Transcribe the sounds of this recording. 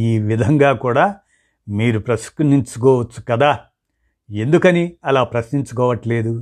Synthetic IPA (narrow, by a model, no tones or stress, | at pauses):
iːʋid̪ʱɐŋɡaːkuːɽaː | miːɾupɾɐskniɲt͡ʃukɔːʋɐt͡ʃːu̥kɐd̪aː | e̞nd̪ukɐniɐlaːpɾɐsniɲt͡ʃukɔːʋɐʈle̞ːd̪u